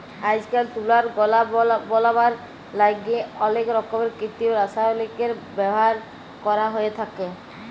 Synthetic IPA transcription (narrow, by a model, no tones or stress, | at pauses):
ajd͡ʑkalt̪ulaɾɡɔlabɔlabaɾ | laɡeɔlekɾɔkːobeɾkɾit̪ioɾasajolekeɾbɛbɔɦaɾ | kɔɾaɦoet̪ʰake